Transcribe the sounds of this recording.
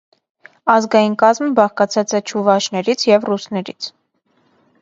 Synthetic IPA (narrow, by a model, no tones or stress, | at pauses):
ɑzɡɑjinkɑzmbɑχkɑt͡sʰɑt͡sɛt͡ʃʰuvɑʃnɛɾit͡sʰjɛvrusnɛɾḭt͡sʰ